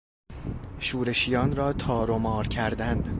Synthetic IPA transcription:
ʃuːɾe̞ʃijɒːnrɒːt̪ʰɒːɾomɒːɾcʰæɾd̪æn

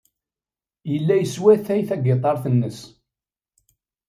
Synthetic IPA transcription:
jəlːæjəswæθæjθæɡet̪ˤɑɾˤθənːəs

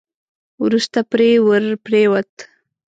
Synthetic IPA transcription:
wɾust̪apɾewəɾpɾewat̪

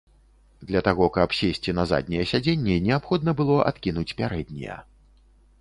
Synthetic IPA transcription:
d̪lʲɐt̪aɣɔkɐpsʲesʲt͡sʲinɐza̰d̪̚ʲnʲɛjɛsʲad͡zʲenʲːɛnʲɛapxɔd̪nɐbɨlˠɔʔa̰t̪kʲinut͡sʲpʲaɾɛd̪̚ʲnʲɛ̰jɐ̰

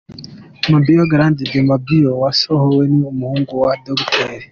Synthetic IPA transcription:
mabioɡɾãndidemabiowasɔhoweniumuhuːŋɡuwadɔɡtɛɾi

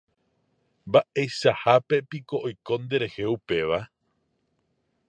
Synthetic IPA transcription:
mbaʔejʃahape̞piko̞ʔojkõ̞nd̪e̞ɾe̞he̞upe̞ʋa

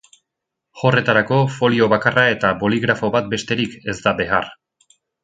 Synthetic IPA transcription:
ʝo̞re̞t̪aɾako̞fo̞lio̞βakarae̞t̪abo̞liɣɾafo̞βat̪̚be̞st̪e̞ɾike̞zd̪abe̞ar

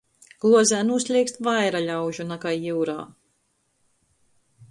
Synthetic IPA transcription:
ɡ̥lˠuɔzæːnuslʲiːkst̪vajɾaʎʲawʒunakajiwɾa̰ː

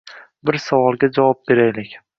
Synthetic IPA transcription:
bɪɾsavɒlˠɡʲad͡ʒavɒp̚be̞ɾajlɪkʲ

